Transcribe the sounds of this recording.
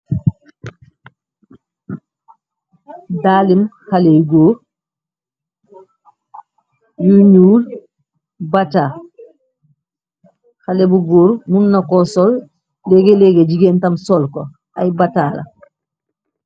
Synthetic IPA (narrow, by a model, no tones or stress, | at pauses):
daːlimxaleɡoːɾ | juɲuːl | bata | xalebuɡoːɾmunːakɔsɔlː | ɛɡeleɡeɟiɡentamsɔlko | ajbataːla̰